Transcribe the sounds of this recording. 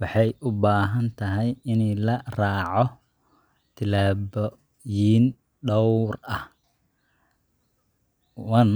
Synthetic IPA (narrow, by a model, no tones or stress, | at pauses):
wɑħɑjʔʊbaːɦɐnt̪ʰɐɦɛjɪnɛlɐraːʕɔ | t̪ʰɪlaːbɔ | jiːn | ɖɔwrɐh | wɑn